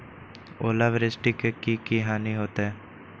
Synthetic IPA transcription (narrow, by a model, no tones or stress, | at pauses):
oːlaʋɾɪsʈɪkekiːkiɦaːniɦoːt̪eɛː